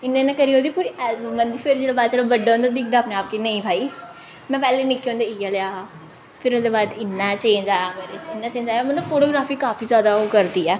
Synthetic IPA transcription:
ɪnːẽːnɛ̃kəɾiːoːd̪iːpuːɾimənd̪iːpʰɪɾd͡ʒeːɽabaːd̪t͡ʃeːɽabəɖaːɦõːnd̪ad̪ɪkʰd̪aːpneːaːp̚kenəĩːbʱaːiː | mɛ̃ːpɛːleːnɪkːeõːnd̪eːɪjaːlejaːɦaː | pʰɪɾʊsd̪eːbaːd̪ɪnːat͡ʃẽːɲd͡ʒaːjaːmeːɾet͡ʃɪnːaːt͡ʃeːɲd͡ʒaːjamənlobfʰoːʈoːɡɾaːfʰiːkaːfʰiːzjaːd̪aːoːkəɾd̪iːɛː

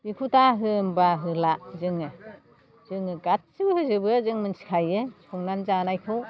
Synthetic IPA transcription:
b̥ikʰutʰaɦɯmbaɦɯlazɯŋɯ | zɯŋɯɡat̚sɯbɯhɯzɯbɯzɯŋmɯnsi̥kʰajɯsuŋnanzanajkʰɯw

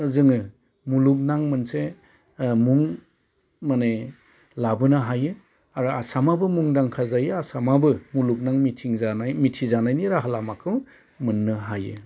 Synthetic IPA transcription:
zɯŋɯ | muluk̚naŋmɯnse | muŋ | mane | labɯnɯɦajɯ | aɾuasamabɯmuŋdaŋkʰazajɯasamabɯmuluk̚naŋmitʰiŋaamitʰizanajniɾaɦalamakʰɯw | mɯnːɯɦajɯ

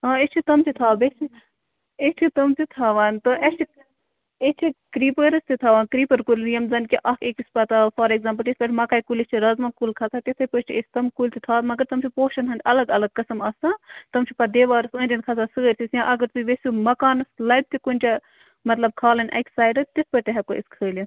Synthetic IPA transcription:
ãːest͡ʃʰit̪ɐmt͡ʃʰit̪ʰaːbet͡ʃʰi | est͡ʃʰit̪ɐmt̪it̪ʰaːʋaːnt̪oʔest͡ʃʰi | et͡ʃʰikɾiːpəɾɐst̪ʰit̪ʰaːʋaːnkɾiːpɐɾkulʲnijɐmzɐnkiʔɐkeːkispɐt̪aːfɐɾeɡzaːmpəlʈesʲbɐʈʰmɐkaːjkulest͡ʃʰiɾɐzmɐkulkʰɐt̪ʰaːt̪et̪ʰɐpɨt͡ʃʰiesʲt̪ɐmkulʲt̪ʰit̪ʰaːmɐɡɐɾt̪ɐmt͡ʃʰipoːʃɐnɐnd̪ʲɐlɐɡɐlɐɡ̚kɐsɐmɐsãːt̪ɐmt͡ʃʰipɐd̪eːʋaːɾɐsə̃ːnʲdʲinkʰɐsʰaːsɨɣəɾʲt̪ʰisjãːʔɐɡɐɾt̪uʋesʲumɐkaːnɐslɐb̚t̪ʰikunʲt͡ʃa | mɐt̪lɐb̚kʰaːlɐnʲʔɐ̰ksaːjɖɐt̪ispɐʈ̪ʲeɦɐkoiskʰəːl

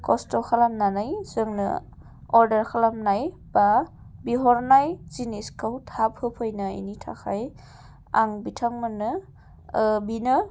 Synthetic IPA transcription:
kɔstɔkʰalamnanajz̥ɯŋnɯ̰ | ɔɾdaɾkʰalamnaj | b̥a | biɦɔɾnajziniskʰɯwtʰapʰhɯpʰɯjnaḭnitʰa̰kʰaj | a̰ŋbitʰaŋmanɯ | binɯ

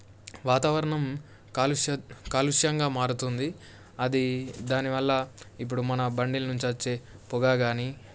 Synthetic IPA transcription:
ʋaːt̪aːʋɐɾɐɳɐm | kaluʂɐkaːluʂjɐŋɡaːmaːɽut̪und̪i | ɐd̪id̪aːniʋɐlːɐip̬ːuɽumɐnɐbɐɳɖilɐnuɲt͡ʃiɐt͡ʃːeːpuɡaːɡaːni

